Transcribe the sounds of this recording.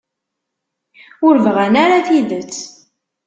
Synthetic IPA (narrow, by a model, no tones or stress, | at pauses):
ʊɾvəʁænaɾaθiðət͡sː